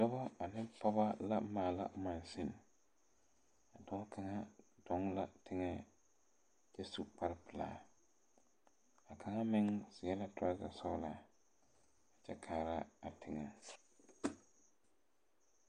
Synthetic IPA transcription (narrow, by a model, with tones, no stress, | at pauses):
dɔ˦ba˦a˨nɪ˦pɔ˦ba˦la˦maː˨la̰˦ma˨nsɪ˦n | a˨dɔ˨˦ŋ˦kʰa˨ŋa˦d̥ɔ˦ŋla˨tʰɪ˦ŋɛ˦ | t͡ʃɛ˦su˦pa˦ɾɪ˦pɪ˨la̰ː˨ | a˨kʰa˨ŋa˦mɪ˦ŋsɪ˨ɛ˦la˦tʰa˦za˨sɔ˦la˨ | a˨t͡ʃɛ˦kʰaː˨ɾa˦a˨tʰɪ˨ŋɛ˨